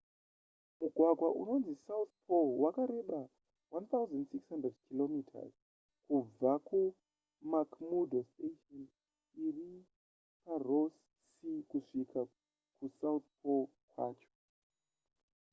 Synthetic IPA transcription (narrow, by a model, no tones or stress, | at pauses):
muɡʱwaɡʱwaʔṵno̞nzisaut̪pʰolwakaɾe̞ɓa | want̪auzandsikshandredkʰilomitʰa̰z | kub͡vaku | makmudosteton | iri | paros | sikuʂikʰa | kusauθpʰol | kwa̰ːt͡ʃo̥